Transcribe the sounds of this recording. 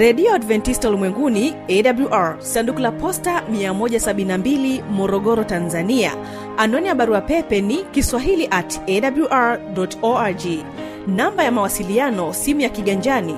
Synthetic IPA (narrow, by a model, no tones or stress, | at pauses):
ɾɛɗiɔadvɛntistaulimwɛŋɡuniɛɗabluʔaɹsandukulapɔstamiamɔʄasaɓininambilimɔɾɔɠɔɾɔtanzania̰ | anɔnijaɓaɾuapɛpɛnikiswaɦiliʔatɛɗabluʔaɹɗɔtɔad͡ʒi | nambajamawasilianɔsimujakiɠaɲd͡ʒani